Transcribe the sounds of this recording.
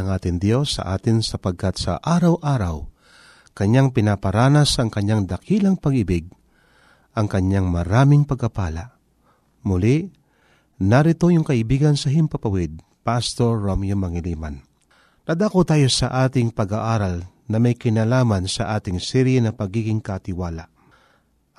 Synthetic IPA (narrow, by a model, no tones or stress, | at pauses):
ɐŋʔaːt̪ɪŋd̪jo̞sːɐ̰ʔaːt̪ɪnsɐpɐɡ̚kat̪sɐ̰ʔaːɾɐwʔaːɾaw | kɐɲːaŋpɪnapɐɾaːnasɐŋkɐɲːaŋd̪ɐkiːlɐŋpɐɡɪbɪɡ̚ | ʔɐŋkɐɲːaŋmɐɾaːmɪŋpɐɡ̚kːɐpaːla̰ʔ | mʊliʔ | nɐɾɪt̪o̞jʊŋkɐʔɪbiːɡɐnsɐɦɪmpɐpɐwɪd̪̚ | past̪oɹːomjʊmɐŋɪliːma̰n | nad̪akot̪aːjo̞sɐʔaːt̪ɪŋpɐɡaʔaːɾalnɐmɐjkɪnalaːmansɐʔaːt̪ɪŋsɛɾjɛnɐpɐɡiːɡɪŋkɐt̪ɪwaːlaʔ